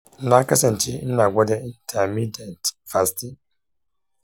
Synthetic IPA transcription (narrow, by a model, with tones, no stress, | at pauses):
n̩˨na˦ka˦se˨n̩˨t͡ʃi˦n̩˦na˨ɡʷɔ˦de˦i˦˨˦n̩˦tʰa˨mi˦de˨n˨tfa˨sti˦